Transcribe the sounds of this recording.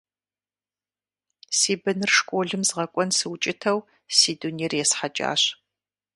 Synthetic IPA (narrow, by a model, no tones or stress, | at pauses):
siːbɨnɨrʂkʷʼoːɮɨmzʁɐkʷʼɔnsɨwt͡ʃʼɪtʰɐw | siːduniːrjɛsħat͡ʃʼa̰ːɕ